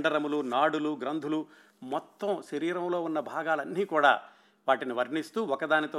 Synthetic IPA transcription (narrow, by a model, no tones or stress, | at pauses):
ɳɖɐɾɐmulunaːɽuluɡɾɐnd̪ʱulu | mɔt̪ːɐmʃɐɾiːɾɐmlo̞ːunːɐbʱaːɡaːlɐnːiːkuːɽa̰ː | ʋaːʈiniʋɐɾɳist̪uːɔkɐd̪aːnit̪oː